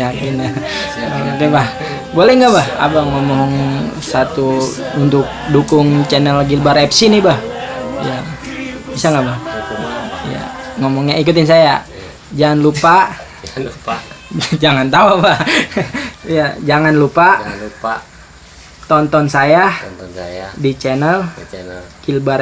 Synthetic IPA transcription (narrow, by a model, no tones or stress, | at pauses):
jakɪnaakɛbah | bolɛhŋɡabaha̰baŋomɔɦɔŋsat̪u | unt̪ʊk̚dukʊŋt͡ʃɛnɛlɡilbaɾɛpsinibahija | bisaŋɡabah | ija̰ŋɔmɔŋɲaik̬ut̪ɪnsaja | d͡ʒaŋanlupaʔ | d͡ʒaŋant̪auabah | jad͡ʒaŋanlupa | t̪ɔnt̪ɔnsajajdit͡ʃɛnəl | ɡ̥ilbar